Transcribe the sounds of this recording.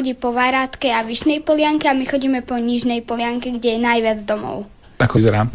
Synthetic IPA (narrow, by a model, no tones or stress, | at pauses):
ɔɟiːpɔʋaːɾat̪kɛjaʋiʃnɛjpɔlɪaŋkɛamixɔɟiːmɛpɔɲiʒnɛjpɔlɪaŋkɛɡɟɛjɛnajʋɪad͡zd̪ɔmɔ̰ʊ | akɔzɛɾa